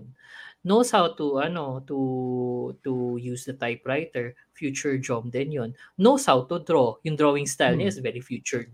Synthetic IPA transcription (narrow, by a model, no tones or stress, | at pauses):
nnowshawt̪uʔɐnot̪u | t̪ujusd̪ɐt̪ajpɹajt̪ɛɹ | fjuːt͡ʃʊɹd͡ʒɔmd̪ɛnjonːoshawt̪ud̪ɹojʊŋd̪ɹowɪ̃ŋst̪ajlɲɐʔɪsvɛɹifjuːt͡ʃʊɹd̪̚